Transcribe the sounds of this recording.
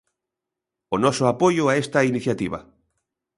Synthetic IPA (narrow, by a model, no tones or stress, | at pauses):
onɔsoapojoaest̪ainiθjat̪iβ̞a̰